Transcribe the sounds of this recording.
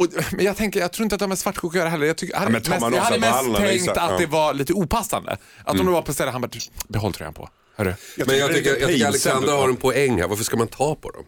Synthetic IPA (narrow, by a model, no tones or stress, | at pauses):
ɔmɛnjɑɡt̪ʰɛŋkəjɑɡt̪ʰɾuːɪnt̪at̪d̪ɛhamɛsvaʈːkʰuːkjœːɾaɦɛlːəɾjɑɡt̪ʏkːhad̪mɛsjahad̪ːəmɛst̪ʰɛŋkt̪atd̪ɛvaɭiːt̪əuːpʰasːa̰nd̪ə̰ | ʔat̪d̪ɔmd̪ɛvapʰɔst̪ɛlːəɦanbɑːd̪b̪ɛɦɔlt̪ʰɾɔ̰jha̰npʰɔ̰ | hœːɖɵmɛnjɑɡt̪ʰʏkːəjtkəɾalɛksanɾahaɾɛnpʰɔɛŋːhæ̰ɾvaɾfəʂkamant̪ʰɑːpʰɔd̪ɔ̰m